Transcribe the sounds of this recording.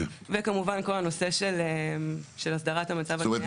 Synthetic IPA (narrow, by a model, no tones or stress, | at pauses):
vekamuvanko̞lano̞se̞ʃeleʃelasdɐʁathamat͡savae